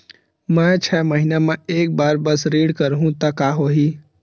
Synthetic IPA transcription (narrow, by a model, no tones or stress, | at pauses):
mɛ̃t͡ʃʰɛːməɦinemɛ̃eːk̚baːɾbɐsɾiːɖkəɾɦũt̪ɐkaːɦoːɦiː